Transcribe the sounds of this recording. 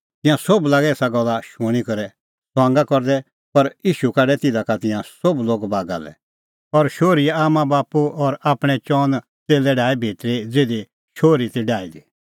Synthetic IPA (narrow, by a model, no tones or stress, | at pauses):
t̪ɪ̃jãsoblaːɡɛɛːsaɡɔlːaʃuɽ̃ikɔɾɛ | sãːŋɡakɔɾd̪ɛ | pɐɾjiːʃukaɖɛt̪ɪd̪akat̪ɪ̃jãsobloːɡbaːɡa̰lɛ̰ | ɔɾʃoːɾiaːmãbaːpuɔɾaːpɽ̃ɛt͡ʃɔːn | t͡seːlɛɖaːibʱeːt̪ɾed͡zeːd̪e | ʃoːɾit̪ɛɖaːid̪i